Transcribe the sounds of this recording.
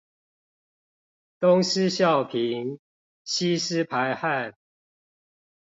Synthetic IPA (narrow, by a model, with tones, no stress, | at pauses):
t̪ʊ˦ŋs̩˦ɕjɑ˥˨ʊpʰi˨˦ŋ | ɕi˦s̩˦pʰa˨˦ɪha˥˨n